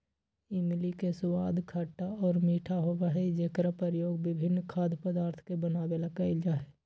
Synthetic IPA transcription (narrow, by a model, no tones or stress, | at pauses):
ɪmlikesʊwaːd̪kʰaʈːaɔːɾmiːʈʰaɦoʋaɦeid͡ʒeːkɾapəɾjoːɡbɪbʱɪnːkʰaːd̪pəd̪aːɾt̪ʰkebənaːbelakɐɪd͡ʒaːe